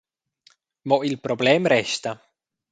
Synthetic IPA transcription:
moʔilpɾobleːmɾest̪ɑ

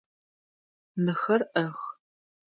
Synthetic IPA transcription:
mɨxɐrʔɐx

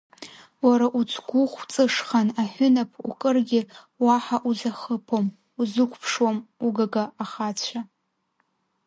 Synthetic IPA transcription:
waɾaʔut͡sʰɡʷuχʷt͡sʼɨʂχanaħʷʊnapʰṵkʼɨrɡʲɪ | waħaʔuzaχəpʰom | uzɨkʷʰpʰʂwamuɡaɡaaχat͡ɕʷʰa

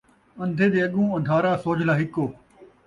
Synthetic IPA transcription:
ɐ̃nd̪ʱeːd̪eːɐɠũːɐ̃nd̪ʱaːɾaːsoːd͡ʒʱlaːɦɪkoː

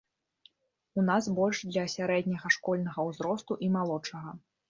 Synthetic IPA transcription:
unasbɔlʲʂd̪lʲɐsʲaɾɛd̪ʲnʲɐɣɐʂkɔlʲnɐɣɐwzɾɔst̪uʔimalˠɔt͡ʂɐɣɐ

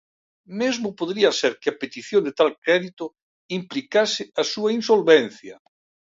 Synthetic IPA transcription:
mezmʊpoðɾiɐseɾkɪɐpet̪iθjond̪et̪alkɾɛðit̪ʊ | implikasɪasuɐinsolβen̟θjɐ

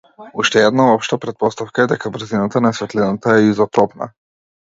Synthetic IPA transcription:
uʃt̪ɛɛd̪naɔpʃt̪apɾɛt̪̚pɔst̪afkaɛd̪ɛkabɾ̩zinat̪anasvɛt̪linat̪aɛizɔt̪ɔpna̰

